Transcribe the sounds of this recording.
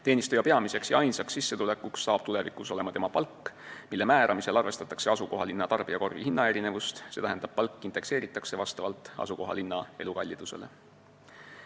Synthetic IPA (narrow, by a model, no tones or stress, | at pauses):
t̪e̞ːnist̪ujɑpe̞ɑmise̞ksjɑɑjnsɑksːisːe̞t̪ule̞kːˑuksːɑːb̥t̪ule̞vikːˑuso̞le̞mɑt̪e̞mɑpɑlkːˑmilːemæːɾʔɑmise̞lɑrve̞st̪ɑt̪ːˑɑkse̞ɑsuko̞ɦɑlinːɑt̪ɑrb̥iɑko̞rvihinːɑe̞ɾine̞vust̪set̪æɦænd̪ɑb̥̚pɑlkːˑint̪e̞kse̞ːɾit̪ːˑɑkse̞vɑst̪ɑvɑlt̪ːˑɑ̰suko̞ɦɑ̰linːɑe̞lukɑlʲːid̪̥use̞̰le